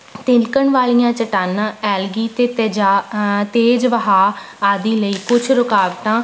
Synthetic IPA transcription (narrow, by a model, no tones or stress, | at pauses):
t̪ɪ̃nkəɳʋaːlijãːt͡ʃəʈaːnãːɛːlɡiːt̪eːt̪eːd͡ʒat̪eːd͡ʒʋəɦaː | aːd̪iːləiːkʊt͡ʃʰɾʊkaːʋʈãː